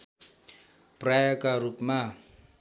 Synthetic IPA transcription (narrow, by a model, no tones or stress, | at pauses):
prajakʼarupma